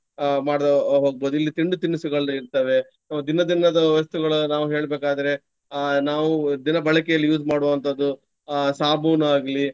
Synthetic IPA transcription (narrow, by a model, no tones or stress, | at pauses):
maːɽɦoːɡ̚boːd̪uilːit̪iɳɖut̪iɳːusuɡɐɭiɾt̪ɐʋe̞ | nɐmːɐd̪inɐd̪inɐd̪ɐʋɐst̪uɡɐɭɐnaːʋuɦe̞ːɭbeːkaːd̪ɐɾe̞ | naːʋud̪inɐbɐɭɐkɛjɐlːijuːd͡ʒmaːɽoʋɐnt̪ʰɐd̪ːu | saːbuːnaːɡɐli